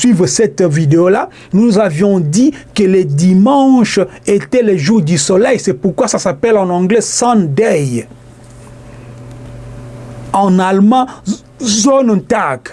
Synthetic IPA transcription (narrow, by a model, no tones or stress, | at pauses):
sɥivsɛt̪vid̪eola | nuzavjɔ̃d̪ikələd̪imɑ̃ʃ | et̪ɛleʒuʁd̪ysɔlɛjsɛpuʁkwasasapɛlɑ̃nɑ̃ɡlɛsɑ̃d̪ɛj | ɑ̃nalmɑ̃ | zont̪ak